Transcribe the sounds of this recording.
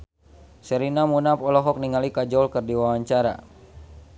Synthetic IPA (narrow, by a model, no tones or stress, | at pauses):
sɛɾinamunapɔlɔɦɔk̚niŋalikad͡ʒɔlkɨrdiwawaɲt͡ʃaɾa̰